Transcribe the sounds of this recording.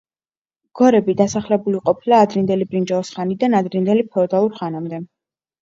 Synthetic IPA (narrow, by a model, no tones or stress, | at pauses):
ɡ̥ɔɾɛbid̪asaχlɛbuliqʼɔpʰilaːd̪ɾind̪ɛlibɾind͡ʒaɔsχanid̪anad̪ɾind̪ɛlipʰɔd̪alˠuɾχanamd̪ɛ